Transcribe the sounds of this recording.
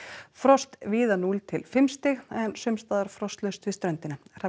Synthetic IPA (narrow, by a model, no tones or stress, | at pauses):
fɾɔst̪viːðanult̪ʰɪlfɪmst̪ɪɣɛnsʏmst̪aːðaɾ̥fɾɔst̪lœst̪vɪst̪ɾœnt̪ɪnar̥a